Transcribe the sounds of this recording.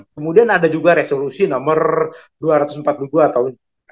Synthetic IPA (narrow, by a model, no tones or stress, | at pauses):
kəmudianadad͡ʒuɡaɾesolusinamər | duaɾat̪usm̩pat̪̚uɡuat̪awn